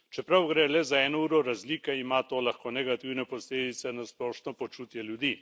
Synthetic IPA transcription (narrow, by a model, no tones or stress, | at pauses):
t͡ʃɛpɾawɡɾɛlɛzaɛːnɔuːɾɔɾazliːkɛimat̪oːlaxkoːnɛɡat̪iwnɛposleːd̪it̪sɛnasplɔʃnɔpot͡ʃut̪jɛljud̪iː